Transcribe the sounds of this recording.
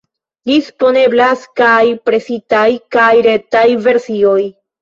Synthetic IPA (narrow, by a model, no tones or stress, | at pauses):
dispo̞ne̞blaskajpɾe̞sitajkajɾe̞tajve̞ɾsio̞j